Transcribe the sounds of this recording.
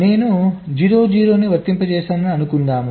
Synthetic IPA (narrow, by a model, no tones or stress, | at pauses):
ne̞ːnud͡ʒiːɾo̞ːd͡ʒiːɾo̞ːniʋɐɾt̪ːimpɐt͡ʃɛːsɐnaɐnukund̪aːmu